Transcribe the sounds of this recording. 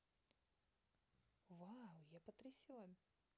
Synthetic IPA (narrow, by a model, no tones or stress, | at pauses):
vawjapət̪ɾʲɪsʲilˠɐ